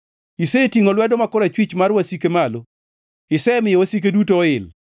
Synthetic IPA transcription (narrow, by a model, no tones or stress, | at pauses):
isetiŋolwɛdoɔmakoɾat͡ʃwit͡ʃmaɾwasikemalo | ɪsɛmɪjowosik̬edutoɪl